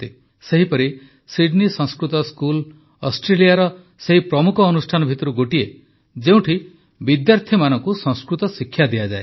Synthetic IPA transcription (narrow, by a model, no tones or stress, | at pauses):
t̪e | seɦipɔɾi | siɖnisɔ̃ŋskɾut̪ɔskul | ɔsʈɾeliaɾɔ | seɦipɾɔmukʰɔːnusʈʰanɔbʱit̪ɔɾuɡoʈie | d͡ʒeũʈʰi | bid̪jaɾt̪ʰimanɔŋkusɔ̃ŋskɾut̪ɔsikʰːjad̪iad͡ʒae